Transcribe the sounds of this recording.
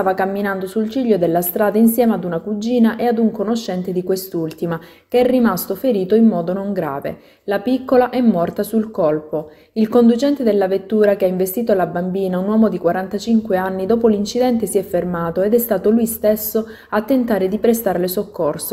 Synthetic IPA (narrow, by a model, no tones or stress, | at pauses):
saːvakamːinand̪osult͡ʃiʎːod̪elːast̪ɾaːd̪ainsjɛːmead̪unakud͡ʒiːnaʔead̪uŋkonoʃːɛnt̪ed̪ikwest̪ult̪ima | keɛrːimast̪ofeɾiːt̪oimːɔːd̪onoŋɡɾa̰ːvḛ | lapikːolaʔɛmːɔrt̪asulkɔlpo | ilkond̪ut͡ʃɛnt̪ed̪elːavet̪ːuːɾakeaiɱvest̪iːt̪oalabambiːnaunwɔːmod̪ikwaɾant̪at͡ʃiŋkweanːid̪ɔːpolint͡ʃid̪ɛnt̪esiɛfːermaːt̪oed̪ɛst̪aːt̪olujst̪esːo | at̪ːent̪aːɾed̪ipɾest̪aɾlesokːorso